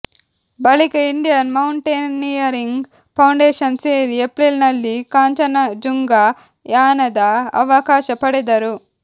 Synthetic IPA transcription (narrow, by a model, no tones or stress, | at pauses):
bɐlikɐiɳɖijɐnmɐwɳʈeːnːijɐɾiŋɡ | pʰɐwɳɖeːʃɐnseːɾiepɾelnɐlːikaːɲt͡ʃɐnɐd͡ʒuŋɡa | jaːnɐd̪ɐɐ̰ʋɐkaːʃɐpɐɽɛd̪ɐɾu